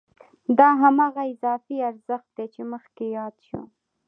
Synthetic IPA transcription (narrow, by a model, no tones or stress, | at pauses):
d̪ɑɦamɑɣaɪzɑfiaɾzəxt̪̚d̪et͡ʃeməxkejɑd̪ʃṵ